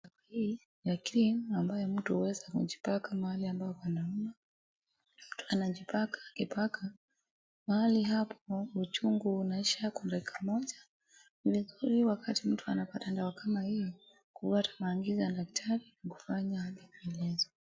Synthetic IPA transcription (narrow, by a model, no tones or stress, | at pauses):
akahi | jakɾinambajɔm̩tuhuwɛzakṵʄipakamahaliambaɔpanaɔna | mm̩tu̥anaʄipakʰḁːkipakʰa | mahaliɦapʰɔut͡ʃuŋɡuːnaiʃakwandakikʰamɔʄa | nivizuɾiwakʰatim̩tuanapatandawakʰamahi | kuvatḁmaːŋɡizaadaktʰaɾinaku̥faɲaaɗiviɛlɛzɔ